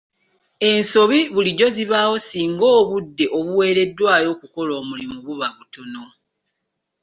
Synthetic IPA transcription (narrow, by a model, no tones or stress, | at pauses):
e̞nso̞βiβuliɟo̞ziβaːwo̞siːŋɡo̞ːβudːe̞ʔo̞βuwe̞ːɾe̞dːwaːjo̞ːkuko̞lo̞ːmulimuβuβaβuto̞no̞